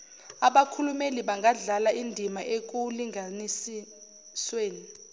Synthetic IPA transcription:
aɓakʰulumeliɓaŋɡʱaɮalaʔindʱimaʔek̬uliŋanis | sweːni

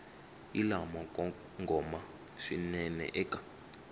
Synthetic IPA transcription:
ilamɔ | ŋɡɔma | ʂinɛnɛ̰ʔɛkʼḁ

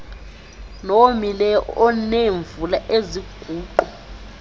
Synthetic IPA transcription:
nomilɛɔɔneɱvulaʔeziɡ̥ʱuːǃɔ

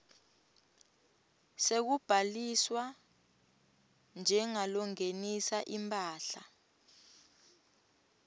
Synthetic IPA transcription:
sek̬ub̥ʱaliswa | nd͡ʒʱɛŋalɔŋenisaʔimpʼaːɬa̰

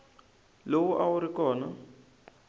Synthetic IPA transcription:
lowuʔawuɾikɔːna

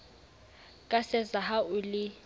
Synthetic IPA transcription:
kʼasɛzaɦauli

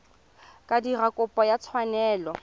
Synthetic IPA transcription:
kʼadirakʼʊpʼɔjat͡sʰwanɛːlɔ

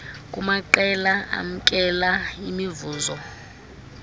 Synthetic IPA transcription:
kʼumaǃɛlaʔa̰m̩kʼɛlaimivuːzɔ

